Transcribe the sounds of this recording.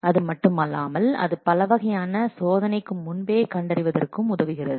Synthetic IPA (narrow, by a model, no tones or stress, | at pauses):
ɐðɯmɐʈːɯmɐlːaːmɐlɐ̰ðɯpɐlɐʋɐɣɐjaːnɐsoːðɐnɐɪkːɯmːʊnbeːkɐɳɖɐɾɪʋɐðɐ̰rkɯmʊðɐʋɯɣɪrɐðɯ